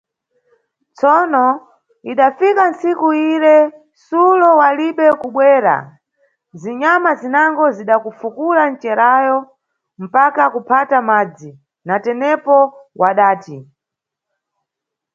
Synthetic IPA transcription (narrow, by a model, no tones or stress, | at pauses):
t͡sɔnɔ | iɗafikansikuiɾɛ | sulɔwaliɓɛkuɓwɛːɾa̰ | ziɲamazinaŋɡɔziɗakufukulan̩t͡ʃɛɾajɔ | m̩pakakupʰatamaːd͡zi | natɛnɛpɔwʔaɗaːti